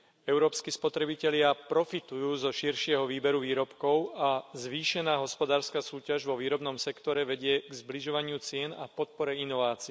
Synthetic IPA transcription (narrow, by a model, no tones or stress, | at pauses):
ɛʊɾɔːpskispɔt̪ɾɛbicɛlɪapɾɔfit̪ujuːzɔʃiɾʃɪɛɦɔʋiːbɛɾuʋiːɾɔpkɔʊazʋiːʃɛnaːɦɔspɔd̪aːɾskasuːcaʒʋɔʋiːɾɔbnɔmsɛkt̪ɔɾɛʋɛɟɪɛɡzbliʒɔʋaɲɪut͡sɪɛna̰pɔt̪̚pɔɾɛinɔʋaːt͡si